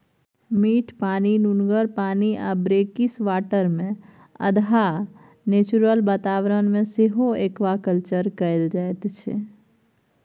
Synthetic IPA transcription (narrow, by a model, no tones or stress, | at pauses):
miʈʰpaːninunɡəɾpaːniʔabɾekisʋaːʈəɾmẽ | ə̰d̪ʱa | net͡ʃuɾəlbaːt̪aʋɾənmẽseɦoekʋakəlt͡ʃəɾkəeld͡ʒaet̪t͡ʃʰḛ